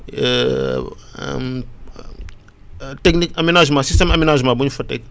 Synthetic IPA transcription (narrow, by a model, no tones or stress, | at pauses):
tɛknikɐmenaʒmasist̪emɐmenaʒmabuɲufɐtḛk